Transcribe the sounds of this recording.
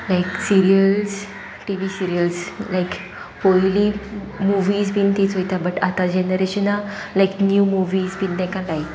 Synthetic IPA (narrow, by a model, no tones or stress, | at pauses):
lajksiɾiəls | ʈiʋisiɾiəlslajk | pojli | muʋiːzbint̪iːt͡sɦojt̪abəʈat̪ad͡ʑenəɾeɕəna | lajknjuːmuʋiːzbiːnd̪ɛ̃kãlaj